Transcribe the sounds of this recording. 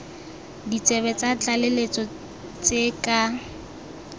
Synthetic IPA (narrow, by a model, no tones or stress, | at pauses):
dit͡sʼɛβɛt͡sʼat͡ɬʼalelet͡sʼɔ | t͡sʼekʼa